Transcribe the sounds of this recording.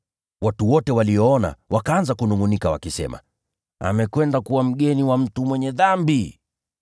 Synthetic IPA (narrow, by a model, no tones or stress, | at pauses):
watuwɔtɛwalijɔɔna̰wʔakaanzakunuŋunikawa̰kisɛ̰ma̰ | a̰mɛkwɛndakuwam̩ɠɛniwam̩tumwɛɲɛðambi